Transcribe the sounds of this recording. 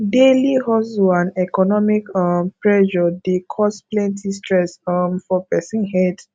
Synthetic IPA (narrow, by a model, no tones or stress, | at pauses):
delihɔsuãnɛkɔnɔmikɔmpɹɛʒɔdekʰɔsplɛ̃ntistɹɛsɔmfɔpɛsĩnhɛd